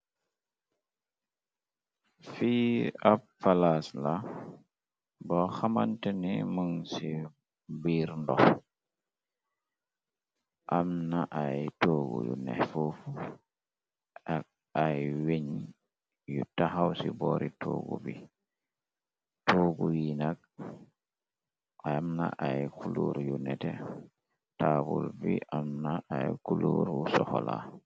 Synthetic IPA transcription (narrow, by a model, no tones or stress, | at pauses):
fiːapfalasla | bɔxamantɛnɛməŋsi | biːɾndɔ̰ | ʔamnaʔajtoɡujṵnɛ̰fufu | a | ajweɲi | jutahawsibɔɾitʰoːɡubi | toɡuwinaɡ̚ | amna̰ʔajkuluɾjunɛtɛ | tabulbiʔamnaʔajkuluɾusɔhɔla̰